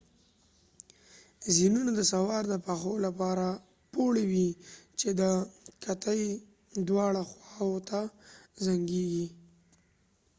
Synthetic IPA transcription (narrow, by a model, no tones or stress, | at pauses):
zinunad̪əsawɑɾd̪əpaxolapɑɾa | poɽewit͡ʃed̪əkʰat̪əj | d̪wɑɽaxwɑwot̪ʰazaŋɡeɡi